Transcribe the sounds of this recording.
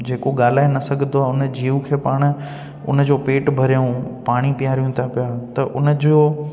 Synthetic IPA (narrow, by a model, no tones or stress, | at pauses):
d͡ʑeːkoɠaːl̤aːenɐsɐɡʱə̃nd̪oaːʊnd͡ʑiːũkʰeːpaːɽ̃̆ | ʊ̰n̆d͡ʑoːpeːʈbʱɐɾijũpaːɽ̃ipɪjaːɾijũt̪ʰapijaːt̪ɐʔʊnd͡ʑoː